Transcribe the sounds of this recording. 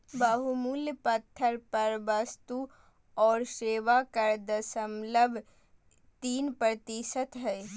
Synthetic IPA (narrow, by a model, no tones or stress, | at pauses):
bɐɦumuljpət̪ʰːəɾpɐɾʋɐst̪u | ɔːɾseːʋakəɾd̪əsəmləbʱ | t̪iːnpɾət̪iʃət̪ɦɛː